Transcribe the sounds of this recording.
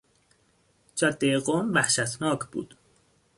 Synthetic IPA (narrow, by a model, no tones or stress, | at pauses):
d͡ʒɒd̪ːeeɢomvæhʃæt̪ʰnɒːkʰbṵːd̪̥